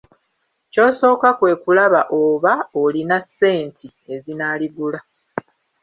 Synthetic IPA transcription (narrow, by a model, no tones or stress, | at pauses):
co̞ːso̞ːkakwe̞ːkulaβaʔoβaolinase̞ːntʰi | e̞zinaːliɡula